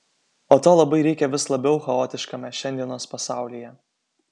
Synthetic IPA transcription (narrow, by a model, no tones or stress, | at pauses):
oːt̪oːlˠɐbɐɪɾʲɛɪkʲɛʋʲɪslˠɐbʲɛʊxɐoːt̪ʲɪʃkɐmʲɛʃʲɛnʲd̪ʲiɛnoːspɐsɑˑʊlʲijɛ